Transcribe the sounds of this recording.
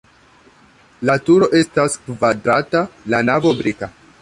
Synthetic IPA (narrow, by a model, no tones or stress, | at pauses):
latuɾo̞ʔe̞staskvadɾatalanavobɾika